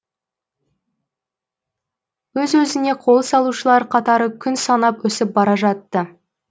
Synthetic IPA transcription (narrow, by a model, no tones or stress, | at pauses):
wɵzwɵzɪne̞qʰo̞lˠsɑlˠuʃəlˠɑɾqʰɑt̪ɑɾəkʲʰʏnsɑnɑpwɵsɪp̚bɑɾɑʒɑt̪ːə